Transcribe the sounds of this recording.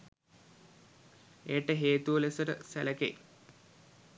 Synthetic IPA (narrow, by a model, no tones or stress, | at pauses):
eːʈəɦeːt̪uʋəlesəɾəsæləkḛ